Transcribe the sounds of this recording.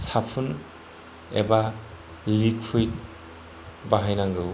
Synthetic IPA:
sapʰun | ḛba | likʰujt̚ | baɦajnaŋɡɯw

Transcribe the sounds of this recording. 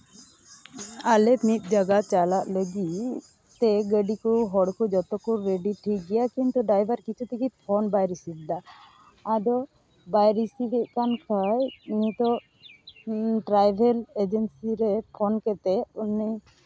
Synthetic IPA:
alɛmit̪̚ˀd͡ʒaɡat͡ʃalaʔləɡi | t̪ɛɡəɖikuɦɔɽkud͡ʒɔt̪ɔkuɾeɖiʈʰiɡɛjakĩnt̪uɖajbʱaɾkit͡ʃʰut̪ikipʰɔnbajɾisit̚d̪aː | d̪ɔ | bajɾisibɛʔkankʰajɲit̪ɔ | ʈɾajbʱɛled͡ʒənsiɾɛpʰɔnkɛt̪ɛuni

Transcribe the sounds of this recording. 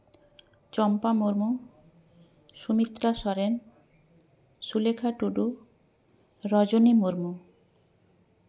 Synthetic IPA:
t͡ɕɔmpamuɾmu | ʃumit̪ːɾaʃɔɾen | ʃulekʰaʈuɖu | ɾɔd͡ʑonimuɾmu

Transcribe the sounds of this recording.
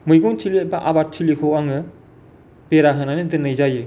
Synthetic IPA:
mɯjɡuŋt͡ʃʰiliebaʔabat̚t͡ʃʰilikʰowaŋɯ | peɾaɦɯnanɯdɯnɯjzajɯ

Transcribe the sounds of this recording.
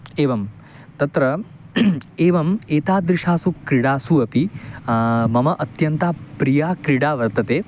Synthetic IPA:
eːʋɐm | t̪ɐt̪ɾɐ | eːʋɐmeːt̪aːd̪ɾiʂaːsukɾiɽaːsuɐpi | mɐmɐʔɐt̪jɐnt̪aːpɾijaːkɾiɽaːʋɐɾt̪ɐt̪eː

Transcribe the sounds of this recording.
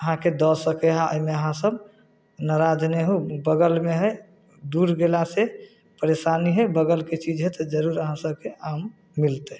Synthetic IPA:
əɦãked̪ɔsəkɛɦãəimeəɦãsəb | naɾad͡ʒneɦubəɡəlmeɦəj | d̪uɾɡelase | pəɾesaniɦəbəɡəlket͡ʃid͡ʒɦɛt̪ɔd͡ʒəɾuɾəɦãsəb̚keʔamː | ilt̪e

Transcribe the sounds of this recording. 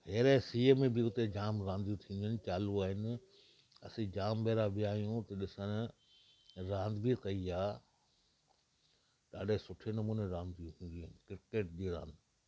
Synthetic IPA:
ɦeːɾesiːmẽbɪʊt̪ed͡ʑaːmɾãːnd̪ijũt̪ʰĩːnd̪iʊnɪ̆t͡ɕaːluaːɦɪnɪ̆ | ɐ̰sĩd͡ʑaːmbeːɾabɪjaːijũt̪ɐɗɪsəñ | ɾãːnd̪bit̪ɐiaː | ɗaːɖʱesʊʈʰenɐmuːneɾãːnd̪ijũɦũːn̆d̪inɪ̆kɪɾkeːʈ̚d͡ʑiɾã̰ːnd̪

